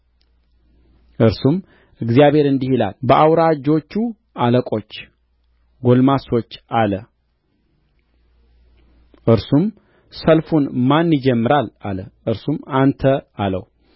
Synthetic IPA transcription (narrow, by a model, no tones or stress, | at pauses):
ʔɨɾsum | ʔɨɡzijaβhe̞ɾɨnd̪ihila̰lbəʔawɾad͡ʒo̞t͡ʃːu | aləkʼo̞t͡ʃː | ɡo̞lmaso̞t͡ʃːalə | ʔɨɾsum | səlfunmanːɪd͡ʒɛmːɨɾalʔa̰ləʔɨɾsumant̪ʰəalə̰w